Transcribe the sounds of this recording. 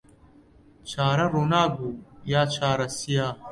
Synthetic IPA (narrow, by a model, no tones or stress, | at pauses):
t͡ɕʰaːɾɐɾunaːɡujaːt͡ɕʰaːɾɐsijaː